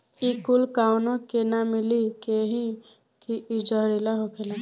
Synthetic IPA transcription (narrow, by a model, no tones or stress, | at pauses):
ikulkawnõkenamilikeɦĩ | kiʔid͡ʒɔɾilaɦokʰela